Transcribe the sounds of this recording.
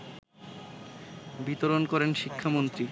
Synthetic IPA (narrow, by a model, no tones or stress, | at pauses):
bit̪oɾonkɔɾenʃikʰːamont̪ɾi